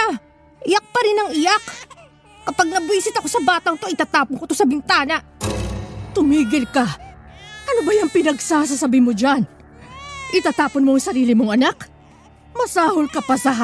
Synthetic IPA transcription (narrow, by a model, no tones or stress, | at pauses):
a | ʔɪjak̚pɐɾɪnɐŋɪjak | kɐpaɡ̚nɐbiːsɪt̪ɐko̞sɐbaːt̪ɐŋt̪o̞ʔɪt̪aːt̪aːponkot̪osɐbɪŋt̪aːnɐʔ | t̪ʊmiːɡɪlkɐ | ʔɐno̞bɐjaŋpɪnɐɡsahs̬asɐbimod͡ʒan | ʔɪt̪aːt̪aːponmoŋsɐɾiːlɪmoŋɐnak | mɐsaːholkɐpɐsɐɦa